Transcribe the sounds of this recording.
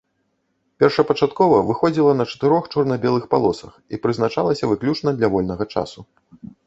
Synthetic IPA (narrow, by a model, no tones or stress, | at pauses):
pʲɛrʂɐpɐt͡ʂat̪kɔvɐvɨxɔd͡zʲilˠɐnɐt͡ʂɐ̥t̪ɨɾɔxt͡ʂɔrnɐbʲɛlˠɨxpalˠɔsɐxipɾɨznat͡ʂalˠɐsʲɐvɨklʲut͡ʂnɐd̪lʲɐvɔlʲnɐɣɐt͡ʂa̰su